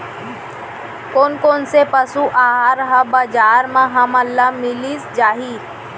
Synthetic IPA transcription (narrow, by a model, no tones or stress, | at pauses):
koːnkoːnsepəsuʔaːɦɾəɦabad͡ʒaːɾmãɦɐməlːamɪlisd͡ʒaːɦiː